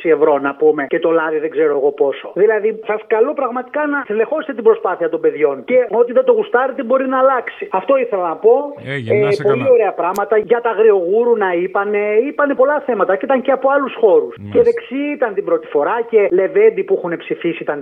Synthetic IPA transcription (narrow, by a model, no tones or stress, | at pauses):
ie̞vɾo̞nɐpume̞ce̞t̪o̞lɐðiðeɡzeɾoeɣo̞po̞so̞ðilɐðisɐskɐlopɾɐɣmɐt̪i̥kɐnɐθele̞xo̞st̪et̪ibɾo̞spɐθiɐt̪o̞mbe̞ðʝo̞nce̞o̞t̪iðet̪o̞ɣust̪ɐɾet̪ebo̞ɾinɐːlɐksiɐft̪o̞iθe̞lɐnɐpo̞epolio̞ɾe̞ɐpɾɐɣmɐt̪ɐʝɐt̪ɐɣɾio̞ɣuɾunɐipɐne̞ipɐnepo̞lɐθe̞mɐt̪ɐit̪ɐnɲceɐpoɐlusxo̞ɾusce̞ðe̞ksiit̪ɐnt̪ibɾo̞t̪i̥fo̞ɾɐce̞le̞vend̪ipuixune̞psifisiit̪ɐn